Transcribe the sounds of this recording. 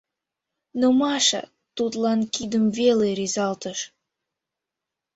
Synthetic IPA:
nomɑʃə̰ | t̪ut̪lɑnkid̪əmveleɾizɑlt̪əʃ

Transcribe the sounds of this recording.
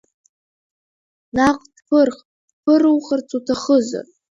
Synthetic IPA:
naqʼd̥pʰɨrχ | d̥pʰɨrɨwχərt͡sʼutʰaχəza̰r

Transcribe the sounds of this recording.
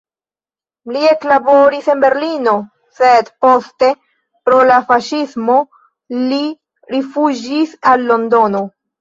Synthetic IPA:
lie̞klaboɾise̞nbe̞ɾlino̞ | se̞dpo̞ste̞ | pɾo̞lafaʃismo̞ | li | ɾifud͡ʒisalːo̞ndo̞no̞

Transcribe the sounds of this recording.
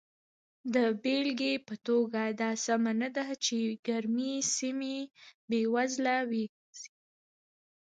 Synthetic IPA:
d̪əbelɡepət̪oɡad̪ɑsamanad̪at͡ʃeɡaɾmisimebewazlawe | z̥i

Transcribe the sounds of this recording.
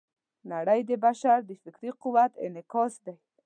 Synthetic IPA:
naɽajd̪ɪbaʃaɾd̪ɪfɪkɾiquwat̪ɪ̰nɪkɔsd̪aj

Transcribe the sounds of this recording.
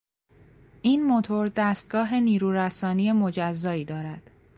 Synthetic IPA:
ʔiːnmo̞t̪ʰo̞ɾd̪æːst̪̚ɡ̥ɒːɦe̞niːɾuːɾæsɒːnije̞mo̞d͡ʒæzːɒːiːd̪ɒːɾæd̪̥

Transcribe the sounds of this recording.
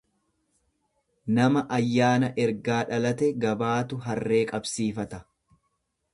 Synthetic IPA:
nɐmɐʔɐjːaːnɐʔɛɾɡaːᶑɐlɐt̪ɛɡɐbaːt̪ʊɦɐrːe̞ːkʼɐbsiːfɐt̪ɐ

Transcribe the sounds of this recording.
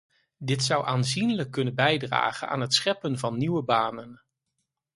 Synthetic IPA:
dɪtsʌwʔaːnzinləkːɵnənbɛjdra̰ːχəna̰ːnɦətsχɛpənvɑnːiwəbaːnən

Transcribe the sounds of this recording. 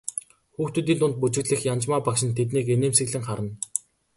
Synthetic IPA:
xuːxt̪ɵ̆t̪iːnt̪ʊnt̪̚put͡ɕɪ̆ɣɮɘ̆xjant͡ɕmaːpakʃɪ̆nt̪ʰet̪niːkeneːmsɘ̆ɣɮɘ̆ŋχaɾə̆n

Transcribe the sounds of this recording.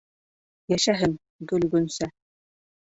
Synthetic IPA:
jæʃæɦɘŋ | ɡɵlɡɵ̆nsæ

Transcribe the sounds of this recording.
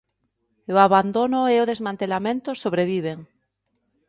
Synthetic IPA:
oaβand̪onoeoð̞ezmãnt̪elamẽnt̪osoβɾeβ̞iβ̞eŋ

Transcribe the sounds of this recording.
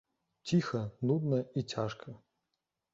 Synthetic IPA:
tʲixɐnud̪nɐitʲaʂkʰɐ

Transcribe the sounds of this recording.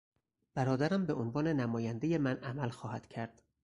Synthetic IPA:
b̥æɾɒːd̪æɾæmbe̞onvɒːne̞næmɒːjænd̪eje̞mænʔæmælxɒːhæd̪̥cʰæɾd̪̥

